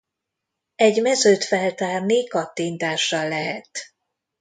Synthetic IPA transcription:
ɛɟmɛzøːt̪fɛlt̪aːrnikɒt̪ːint̪aːʃːɒlːɛɦɛt̪

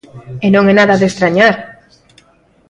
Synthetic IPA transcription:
enõŋenaðaðest̪ɾaɲaɾ

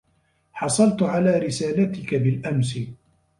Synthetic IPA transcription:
ħɑsˤɑlt̪ʕalaːɾɪsaːlat̪ɪkabɪlʔamsɪ

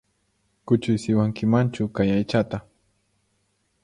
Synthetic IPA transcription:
kʊt͡ʃʊjsɪwaŋkɪmant͡ʃʊkajajt͡ʃat̪a

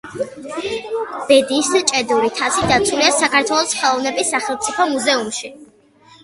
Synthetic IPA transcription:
b̥ɛd̪ist͡ʃʼɛd̪uɾit̪ʰasid̪at̪sʰuliasakaɾt̪ʰwɛlˠɔsχɛlˠɔvnɛbisːaχɛlˠt̪sʼipʰɔmuzɛumʃi

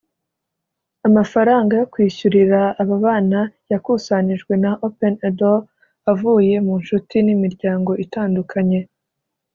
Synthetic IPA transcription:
amafaɾaːŋɡajokwiːçuɾiɾaːβaβaːnajakuːsaniʒɡwe̞naʔopenedo | avuːje̞munʃutinimiɾɟaːŋɡo̞ʔitaːndukʰaɲe̞

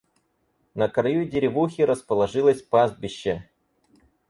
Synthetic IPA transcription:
nəkɾɐjudʲɪɾʲɪvuxʲɪɾəspəlˠɐʐɨlˠəsʲpazd̪̚bʲɪɕːɛ

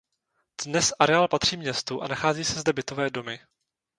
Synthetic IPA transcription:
d̥nɛsʔaɾɛaːlpat̪r̝̥iːmɲɛst̪uʔa̰naxaːziːsɛzdɛbɪt̪o̞vɛːdo̞mɪ

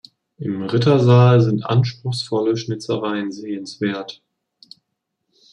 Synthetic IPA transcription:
ʔɪmʁɪtɐzaːlzɪntʔa̰nʃpʁ̥ʊxsfɔləʃnɪt͡səʁaɪənzeːənsv̥eːɐt

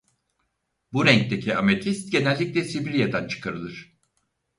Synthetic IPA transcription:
buɾæɲc̚t̪e̞cʰiamet̪ʰist̪̚ɟe̞nɛlʲːicʲlʲɛsibilʲijad̪ant͡ʃʰɯ̥kʰaɾɯlˠɯɾ̥

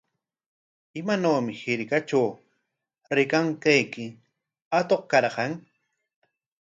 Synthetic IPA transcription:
ɪmanaːmɪhɪɾkat͡ʃaw | ɾɪkaŋkajkɪ | at̪oqkɑɾɢɑŋ

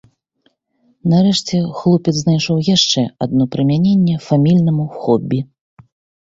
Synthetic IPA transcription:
naɾɛʂt͡sʲɛxlˠupʲɛt̪znajʂɔwjaʂt͡ʂɛad̪̚nɔpɾɐmʲanʲenʲːɛfamʲilʲnɐmuxɔbʲːi

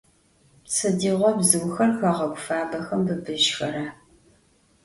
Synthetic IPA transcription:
sʰɨdiːʁʷɔbzɨwxɐrxɐʁɐɡʷʊfaːbɐxɐmbɨbɨʃxɐɾaː

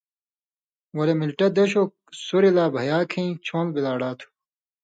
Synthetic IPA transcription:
wɐlemilʈɐd̪ɐɕok | suɾilaːbʱɐjaːkʰĩĩt͡ɕʰõːnlbilaːɽaːt̪ʰu̥

